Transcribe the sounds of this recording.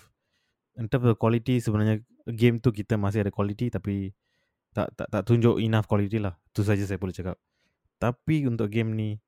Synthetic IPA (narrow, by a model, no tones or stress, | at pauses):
ənt̪əməkwalit̪isəbənarɲa | əɡemt̪uk̬it̪əmas̬ɪhadəkwalit̪it̪api | t̪a̰ʔt̪a̰ʔt̪aʔt̪uɲd͡ʒʊʔinafkwalit̪ilaht̪us̬ad͡ʒas̬ajapoluht͡ʃakap̚ | t̪apiunt̪ʊʔɡemni